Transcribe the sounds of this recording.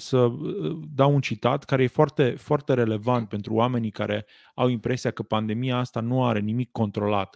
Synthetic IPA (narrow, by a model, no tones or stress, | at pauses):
səd̪awunt͡ʃit̪at̪kaɾe̞jefoart̪e̞foart̪e̞ɾe̞le̞vant̪̚pe̞nt̪ɾuame̞nika̰ɾe̞ | awimpɾe̞siakəpand̪e̞mijaast̪anuaɾe̞nimikːo̞nt̪ɾo̞lat̪